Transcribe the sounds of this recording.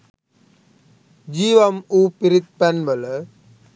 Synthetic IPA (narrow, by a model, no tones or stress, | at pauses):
d͡ʑiːʋɐmuːpiɾit̪̚pɐnʋɐlɐ